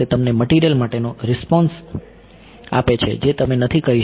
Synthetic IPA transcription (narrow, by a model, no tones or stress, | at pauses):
et̪əmneməʈiɾijəlmaʈenoɾɪspɔns | a̰pet͡ʃʰḛd͡ʒet̪əmenət̪ʰikəɦi